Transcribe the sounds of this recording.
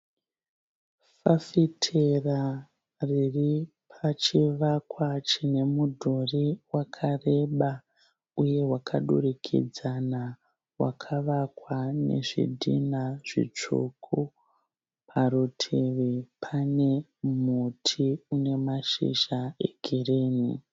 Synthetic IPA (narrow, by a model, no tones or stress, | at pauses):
fafitʰera | riri | pʰat͡ʃiʋakwat͡ʃine̞mudʱoriwakʰare̞ɓa | uje̞wakʰaɗṵrikʰḭd͡zana | wa̰kʰaʋakwane̞̰ʐḭdʱḭnaʐ̥ḭt͡ʂo̰kʰo | pʰaɾutʰeʋepʰane̞ | mutʰiune̞maʃḭʃaḛɡʱireːni